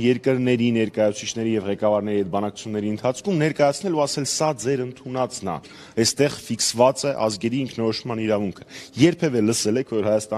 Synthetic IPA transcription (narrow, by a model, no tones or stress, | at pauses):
jɛɾkəɾnɛɾinɛɾkɑjɑut͡sʰit͡ʃʰnɛɾijɛvʁɛkɑvɑɾnɛɾihɛt̪̚bɑnɑkʰt͡su̥t͡sʰunːɛɾiənt̪ʰɑt͡sʰkʰumnɛɾkɑjɑt͡sʰnɛluɑsɛlsɑd͡zɛɾənt̪ʰunɑt͡snɑ̰ | ɛst̪ɛʁfiksvɑt͡sɛʔɑzɡɛɾiːŋkʰnɔɾɔʃmɑniɾɑvuŋkʰə̥jɛɾpʰɛvɛləsɛlɛkʰvɔɾhɑjɑst̪ɑ